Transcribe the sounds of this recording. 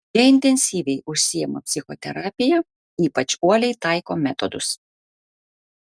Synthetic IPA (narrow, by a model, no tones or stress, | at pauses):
bʲiɛɪnʲt̪ʲɛnʲsʲiːʋʲɛɪʊʃʲsʲijɛmɐpʲsʲɪxɔ̰t̪ʲɛɾɑːpʲɪjɛ | iːpɐt͡ʃuɔlʲɛɪt̪ɑˑɪkoːmʲɛt̪ɔd̪ʊs